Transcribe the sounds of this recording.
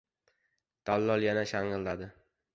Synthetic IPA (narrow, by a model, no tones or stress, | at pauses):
d̪̥alːɒlˠjanaʃaŋɨlːad̪ɪ